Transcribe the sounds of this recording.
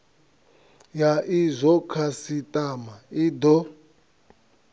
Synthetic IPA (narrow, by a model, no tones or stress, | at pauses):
jaʔizʷɔkʰasitʼamaid̪ɔ